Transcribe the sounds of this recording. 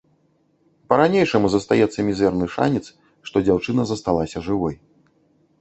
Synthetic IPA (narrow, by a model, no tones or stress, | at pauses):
pɐɾanʲejʂɐmuzɐst̪ajɛt̪sːɐmʲizɛrnɨʂa̰nʲit̪s | ʂt̪ɔd͡zʲawt͡ʂɨnɐzɐst̪alˠasʲɐʐɨvɔj